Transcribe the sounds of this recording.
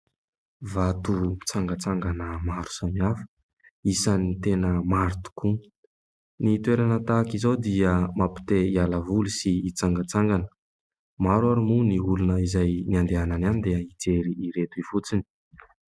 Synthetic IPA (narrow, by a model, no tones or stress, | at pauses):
vat̪ut͡saŋɡət͡saŋɡanəmaɾu̥samiafə̥ | isanit̪enəmaɾt̪u̥ku | nit̪weɾanət̪akizawd̪iəmapi̥t̪eialavulusiːt͡saŋɡət͡saŋɡanə̥ | maɾwaɾumuniulunəizajniand̪eanananid̪eəid͡zeɾiʔːɾet̪uivut͡sini̥